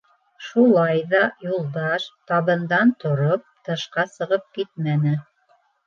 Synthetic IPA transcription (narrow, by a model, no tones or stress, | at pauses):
ʃulˠɑjðɑjulˠd̪ɑʃt̪ɑβɤ̆nd̪ɑnt̪ŏɾop̚t̪ɤ̆ʃqɑsɤ̆ʁɤp̚kit̪̚mænɘ